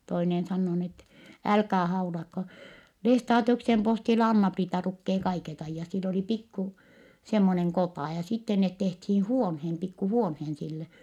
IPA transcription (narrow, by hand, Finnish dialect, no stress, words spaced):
toinen sɑnːoː niː etːɛ ælkæː hɑulɑkːo lestɑːtiuksem postilːɑ ɑnːɑpriːtɑ lukːeː kɑiket ɑijːɑt silː oliˑ pikːu semːoneŋ kotɑˑ jɑ sitːe net tehthiː huonheːn pikːu huonheːn silːe